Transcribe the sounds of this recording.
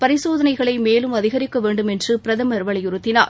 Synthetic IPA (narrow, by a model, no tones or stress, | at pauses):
pɐɾɪsoːðɐnɐɪɣɐɭɐɪmeːlɯmɐðɪɣɐɾɪkːɐʋeːɳɖɯmɛndrɯpɪɾɐðɐmɐɾɯʋɐɭɐjʊɾɯt̪ːɪna̰ːɾ